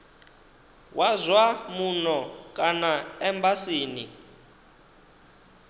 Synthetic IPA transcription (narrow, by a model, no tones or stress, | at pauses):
wʔazwamunɔkʼanaɛmbasiːni